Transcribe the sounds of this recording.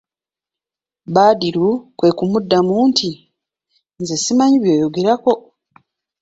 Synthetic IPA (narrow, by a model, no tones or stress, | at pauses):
baːdiɾukwe̞kumudːamuːntʰi | nzesimaɲiβjo̞ːjo̞ɡe̞ɾako̞